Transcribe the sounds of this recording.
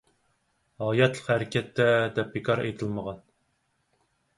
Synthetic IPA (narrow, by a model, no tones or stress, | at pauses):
hɑjɛt̪lˠəqhæɾɪkʲʰɛt̪ːɛd̪ɛp̚bekʰɑɾḛjt̪ʰɨlˠməʁɑn